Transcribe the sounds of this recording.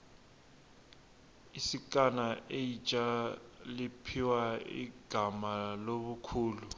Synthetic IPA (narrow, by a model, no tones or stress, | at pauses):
isikʼanaʔejit͡ʃʼalipʰiwaḭɡ̥ʱamaloβukʰuːlu